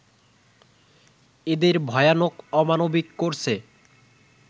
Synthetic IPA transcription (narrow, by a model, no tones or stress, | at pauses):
ed̪eɾbʱɔeanokɔmanobikːoɾt͡ɕʰe